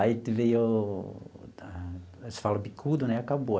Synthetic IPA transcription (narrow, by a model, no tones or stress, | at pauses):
ait̪ivejo | esfalɐbikʰud̪ʊnɛakabo